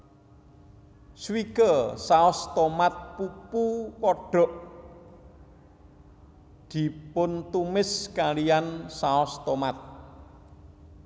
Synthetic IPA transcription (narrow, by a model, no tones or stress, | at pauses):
swikəsaɔst̪ɔmat̪̚pupupɔɖ̥ɔ̤ʔ | d̪̥i̤pʊnt̪umɪskalijansaɔst̪ɔmat̪̚